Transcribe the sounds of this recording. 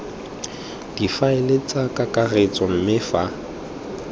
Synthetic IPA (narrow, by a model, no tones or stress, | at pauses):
d̥ifaelet͡sʼakʼakʼaret͡sʼɔn̩mɪfa